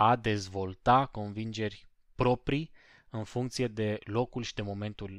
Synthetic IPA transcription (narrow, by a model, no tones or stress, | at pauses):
ad̪e̞zvo̞lt̪ako̞nvind͡ʒe̞rʲ | pɾo̞pɾi | ɨnfuŋkt̪sije̞d̪e̞lo̞kulʃi̥d̪e̞mo̞me̞nt̪ul